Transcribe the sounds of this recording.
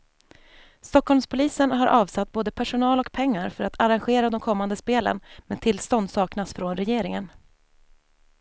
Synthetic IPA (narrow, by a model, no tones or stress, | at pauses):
st̪ɔkhɔlmspʰʊliːsənɦaɾʔɑːvsat̪̚ːboːd̪əpʰæʂʊnɑːlɔkpʰɛŋːaɾfœɾat̪ʰaɾanɧeːɾad̪ɔmkʰɔmːand̪əspeːlə̰nmɛːdt̪ʰɪlst̪ɔnd̪sɑːknasfɾɔnɾɛjeːɾɪŋən